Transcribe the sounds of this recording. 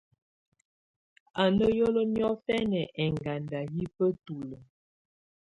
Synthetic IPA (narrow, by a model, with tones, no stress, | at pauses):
a˨nə˦jo˦lɔ˦njɔ˦fɛ˦nɛ˨ʔɛ˨ŋɡa˨nda˨ji˦pə˦tu˨lə˨